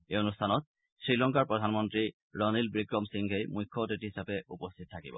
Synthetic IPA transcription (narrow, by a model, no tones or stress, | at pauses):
eonustʰanɔt̚ | sɹilɔŋkaɹpɹɔdʱanmɔntɹi | ɹɔnilbɹikɹɔmsiŋɦejmujkʰːɔtitiɦisapɛupɔstʰit̚tʰakibɔ̰